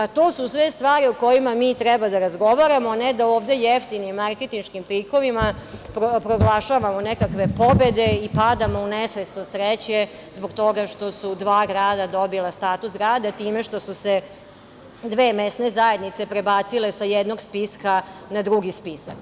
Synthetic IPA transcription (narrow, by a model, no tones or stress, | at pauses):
t̪oːsusʋe̞st̪ʋaːɾioko̞jimamiːt̪ɾɛbad̪aɾazɡo̞ʋaɾamoaned̪aoːʋd̪e̞jeft̪inimːaɾke̞t̪inʃkimt̪ɾiko̞ʋimapɾopɾo̞ɡlˠaʃaʋamo̞nekakʋe̞po̞be̞d̪e̞ipad̪amo̞unesʋest̪osɾet͡ɕe̞ | zboɡt̪o̞ɡaʃt̪o̞sud̪ʋaːɡɾaːd̪ad̪o̞bilast̪aːt̪usɡɾaːd̪at̪iːme̞ʃt̪o̞suse | d̪ʋeːmest̪ne̞zaje̞d̪nit̪se̞pɾe̞baːt̪sile̞sajed̪no̞ɡspiskanad̪ɾuɡispisa̰k